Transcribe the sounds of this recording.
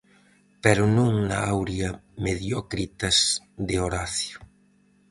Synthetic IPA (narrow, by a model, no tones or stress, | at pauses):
peɾʊnũŋnaawɾjɐmeðjɔkɾit̪ɐs | d̪eoɾaθjʊ